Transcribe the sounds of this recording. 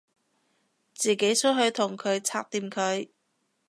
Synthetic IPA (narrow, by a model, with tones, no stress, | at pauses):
t͡siː˨˩ke˨˥jt͡ʃʰɵ˥t̚ɦɵ˧ɥt̪ʰʊ˨˩ŋkʰɵ˨˧ɥt͡sʰaː˧k̚t̪iː˧mkʰɵ˨˧ɥ